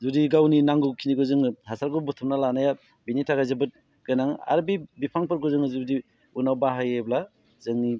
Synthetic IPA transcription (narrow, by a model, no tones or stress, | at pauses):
zudiɡawninaŋɡukʰiniɡɯzɯŋɯhasaɾɡubɔtʰɔmnalanaja | binitʰaɡajzabɯt̚ | ɡ̥ɯnaŋa̰ɾbibipʰaŋpɯɾɡɔzɯŋɯzudi | unawbaɦajebla | zɯŋni